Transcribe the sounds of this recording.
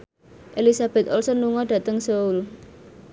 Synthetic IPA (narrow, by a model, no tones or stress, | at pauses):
ʔelisab̥ɛ̤t̪ɔlsɔnːuŋɔɖ̥ä̤t̪əŋsoul